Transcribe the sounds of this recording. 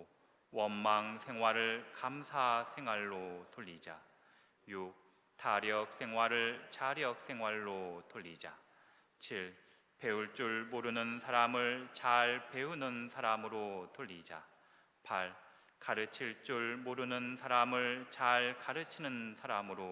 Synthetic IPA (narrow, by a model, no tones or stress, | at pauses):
wʌnmaŋsʰe̞ŋɦwaɾɯɭkamsʰasʰe̞ŋɦwaɭːotoʎːid͡ʑa̰ | juk̚ | tʰaɾjʌk̚s͈e̞ŋɦwaɾɯɭt͡ɕaɾjʌk̚s͈ʰe̞ŋɦwaɭːotoʎːid͡ʑa̰ | t͡ɕʰiɭ | pe̞uɭt͡ɕ͈uɭmoɾɯnɯnsʰaɾamɯɭt͡ɕaɭpe̞unɯnsʰaɾamɯɾotoʎːid͡ʑa̰ | paɭ | kaɾɯt͡ɕʰiɭt͡ɕ͈uɭmoɾɯnɯnsʰaɾamɯɭt͡ɕaɭkaɾɯt͡ɕʰinɯnsʰaɾamɯɾo